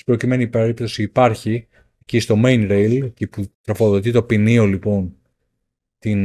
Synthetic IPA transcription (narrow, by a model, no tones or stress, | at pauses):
pɾo̞cime̞nipeɾipt̪o̞siːpɐɾçi | ecist̪o̞mejnɾejlceput̪ɾo̞fo̞ðo̞t̪̬it̪o̞pinio̞lipo̞n | t̪in